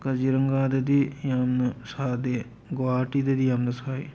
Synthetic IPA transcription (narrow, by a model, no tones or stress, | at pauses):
kɐd͡ʒiɾɐŋɡaːd̪ɐd̪ijaːmnɐsaːd̪e | ɡoaːʈid̪ed̪ijamnɐsaːi